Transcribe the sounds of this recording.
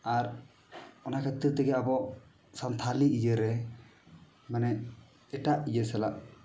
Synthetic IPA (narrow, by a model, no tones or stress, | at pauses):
aɾ | ɔnakʰət̪iɾt̪ɛɡɛabɔʔ | sant̪ʰaliʔid͡ʒəɾɛ | manɛ | ɛʈaʔid͡ʒəsɛlaʔ